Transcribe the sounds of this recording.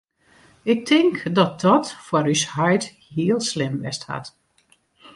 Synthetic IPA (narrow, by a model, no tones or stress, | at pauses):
ɪk̚tʰɪŋkdɔt̚dɔtfɔɾyshœjt | hiəlˠslɪmʋɛstha̰t